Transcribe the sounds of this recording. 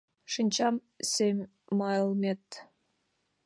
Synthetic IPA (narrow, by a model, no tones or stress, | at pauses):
ʃinʲt͡ɕɑm | sʲemʲ | mɑj̆lˠmʲet̪ʲ